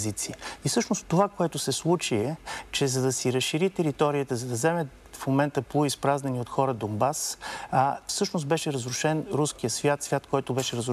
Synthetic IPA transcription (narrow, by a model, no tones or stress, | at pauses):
zit̪siifsɤʃnostt̪ːovakoɛt̪ʊsɛslˠut͡ʃiɛt͡ʃɛzɐd̪ɐsiɾəsʃiɾit̪ɛɾit̪ɔɾiət̪əzɐd̪ɐzɛmɛ | fmomɛnt̪əplˠoispɾaznɐniot̪xɔɾəd̪ombas | fsɤʃnost̪bɛʃɛɾəzɾʊʃɛnɾusk̟ijəsvʲjat̪svʲjat̪kɔjt̪obɛʃɛɾəzɾ